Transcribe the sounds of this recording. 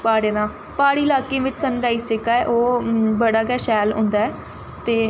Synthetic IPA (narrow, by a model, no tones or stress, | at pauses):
paːɽeːd̪ãː | paːɽiːlaːkẽːʋɪt͡ʃsənɾaːiːsɪkaːɛːʔoːbəɽaːkɛːʃɛːlɦʊ̰̃ːnd̪aːɛː | t̪eː